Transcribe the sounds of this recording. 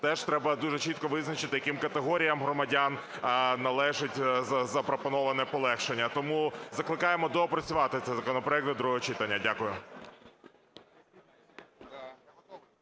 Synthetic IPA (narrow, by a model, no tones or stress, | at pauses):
t̪ɛʃt̪ɾɛbɐd̪uʒɛt͡ʃit̪̚kɔʋɪznɐt͡ʃɪt̪ɪjɐkimkɐt̪eɦɔɾʲijɐmɦɾɔmɐdʲan | nɐlˠɛʒɪtʲzɐzɐpɾɔpɔnɔʋɐnɛpɔlˠɛxʃenʲːɐt̪ɔmuzɐklˠɪkɑjemɔd̪ɔpɾɐt͡sʲʊʋɑt̪ɪt̪sɛzɐkɔnɔpɾɔjɛkt̪d̪ɾuɦɔɔt͡ʃit̪ɐnʲːɐdʲakʊjʊ